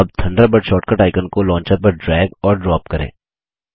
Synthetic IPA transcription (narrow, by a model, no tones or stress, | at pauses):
ɐb̚t̪ʰɐ̃ɳɖəbəɖʃɔːʈkəʈaːɪkənkolɔ̃ːɲt͡ʃəɾpɐɾɖɾɛːɡɔːɾɖɾɔːp̚kɐɾḛ̃ː